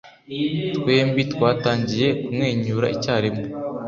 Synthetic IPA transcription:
tkwe̞ːmbitkwaːtaːɲɟije̞kumŋe̞ːɲuːɾa̰icaːɾemo

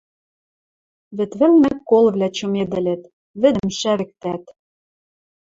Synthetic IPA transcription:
βɘ̆t̪βɘ̆lnɘkːolβlʲæt͡ɕŏmed̪ɘ̆lʲĕt̪ | βɘ̆d̪ɘ̆mʃæβɘ̆k̚t̪æt̪

